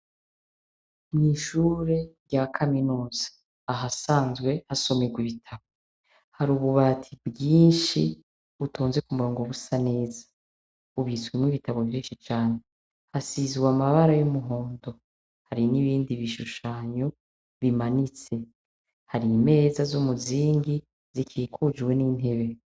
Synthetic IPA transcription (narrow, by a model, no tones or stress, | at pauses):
nŋiʃuːɾe̞ɾɟakʰaminuːzḁ | aɦasaːnzɡwe̞haso̞meɡwiβitʰaβo | haɾuːβuβatʰibɡiːnʃi | βutʰoːnze̞kumuɾoːŋɡo̞βusane̞ːzḁ | uβit͡swimŋwiβitʰaβo̞vjiːnʃit͡ʃaːne | hasizwamaβaɾajumuɦo̞ːndo̞ | haɾiniβiːndiβiʃuʃaːɲo | βimanit͡se̞ | haɾime̞ːzazumuziːŋɡi | z̥ikʰiikʰud͡ʒwe̞niːn̥he̞βe̞